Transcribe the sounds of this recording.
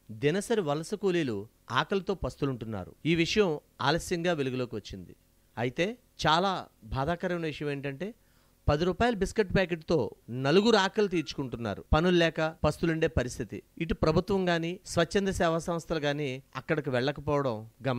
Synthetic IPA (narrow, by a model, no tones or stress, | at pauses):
d̪inɐsɐɾiʋɐlɐsɐkoːliːlu | a̰ːkɐlɐt̪o̞ːpɐst̪uluɳʈunːa̰ːɾṵiːʋiʂɐjɐm | a̰ːlɐsjɐŋɡaːʋeluɡilo̞ːkiʋɐt͡ʃːind̪ḭ | ɐjit̪e̞ː | t͡ʃaːlaːbʱaːd̪aːkɐɾɐmɐnɐʋiʂɐjɐmeːɳʈɐɳʈe̞ː | pɐd̪iɾuːpaːjɐlɐbiskeʈːpaːk̬eʈt̪o̞ːnɐluɡuɾuaːkɐlɐt̪̬iːɾt͡ʃu̥kuɳʈunːa̰ːɾṵpɐnullɛːkɐpɐst̪uluɳɖe̞ːpɐɾist̪ʰit̪ḭiʈupɾɐbʱut̪ʋɐŋɡaːniːsʋɐt͡ʃːɐnd̪ɐsɛːʋɐsɐmst̪ʰɐlɐɡaːniːɐ̰kːɐɽɐk̬iʋɛɭːɐkɐpɔːʋɐɽɐmɡɐm